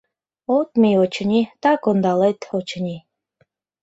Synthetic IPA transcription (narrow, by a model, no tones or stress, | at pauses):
ot̪miot͡ɕə̆nʲit̪ɑkond̪ɑlet̪ot͡ɕənʲi